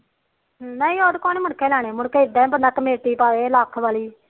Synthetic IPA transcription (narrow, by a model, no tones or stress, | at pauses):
naːĩːoːd̪koːneːmənkʰẽːlaːɽ̃ẽːmʊɽkeɪd̪aːɛ̃ːbənãːkəmeːʈiːpaːʋeːlaːkʰʋaːliː